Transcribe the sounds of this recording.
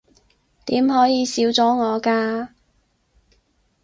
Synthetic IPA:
t̪iː˨˥mhɔː˨˥jiː˨˧siː˨˥wt͡sɔː˨˥ŋɔː˨˧kaː˧

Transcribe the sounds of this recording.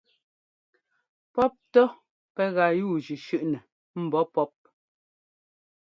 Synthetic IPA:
pɔ˦p̚tɔ˦ | pɛ˦ɣa˨juː˦˨d͡ʒʉ˨ʃʉ˦˨ʔnɛ˨ | m̩˨bɔ˦pɔ˦p̚

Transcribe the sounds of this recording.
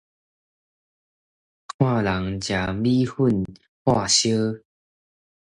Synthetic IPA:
kʰwã˥˧la˨˦ŋt͡ɕja˨˩bi˦hu˥˨n | hwa˥˧ɕjə˦

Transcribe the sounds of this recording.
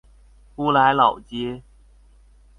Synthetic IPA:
ku˥la˨˦ɪlɑ˨˩ʊt͡ɕjɛ˦

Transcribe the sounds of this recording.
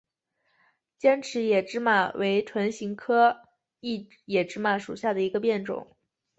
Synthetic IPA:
t͡ɕjɛ˥nʈ͡ʂʰɻ̩˧˥jɛ˨˩ʈ͡ʂɻ̩˥ma˨˩we˧˥ɪʈ͡ʂʰwa˧˥nɕi˧˥ŋkʰɤ˥ | i˥˩ | jɛ˨˩ʈ͡ʂɻ̩˥ma˧˩ʂṵ˨˩ɕja˥˩d̪ə˩i˧˥ɡə˧pjɛ˥˩nʈ͡ʂʊ̰˨˦ŋ

